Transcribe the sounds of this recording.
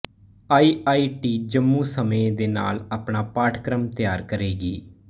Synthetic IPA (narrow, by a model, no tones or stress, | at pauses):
aːiːʔaːiːʈiːd͡ʒəmːũːsəməed̪eːna̰ːlaːpɳaːpaːʈʰkɾəmt̪ɪjaːɾkəɾeːɡiː